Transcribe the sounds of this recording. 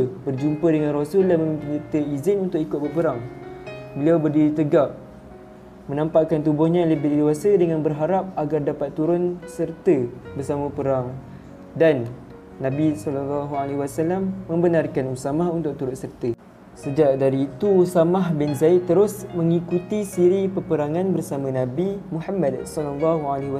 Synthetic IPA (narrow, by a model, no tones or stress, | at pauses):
əbərd͡ʒumpədəŋãnrosullːahməmĩmpinirt̪əizɪnunt̪ʊkikʊt̪̚bəpəɾaŋ | bəliawbərdiɾit̪əɡaʔ̚ | mə̃nampaʔkant̪ubʊhɲãləbidewasədəŋanbərɦaɾap̚aɡardapat̪ːuɾʊnsərt̪əbərsamə̃pəɾaŋ | danː | ãbisɔlɔlːɔɦualeɦwasalamːə̃mbənarkanusamahunt̪ʊk̚t̪uɾʊnsərt̪ə | səd͡ʒaʔ̚daɾiːt̪uusamaɦbɪnzait̪ːəɾʊsmə̃ŋikut̪isiɾipəpəɾaŋãnbərsamãnãbimuħamːadsɔlɔlːɔɦualewa